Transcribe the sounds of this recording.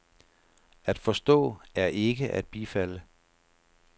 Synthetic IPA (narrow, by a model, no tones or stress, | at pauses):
æd̥fɒ̽sd̥ɔ̰̽ːæɐʔe̝ɡ̥əʔæ̰d̥̚b̥ifælə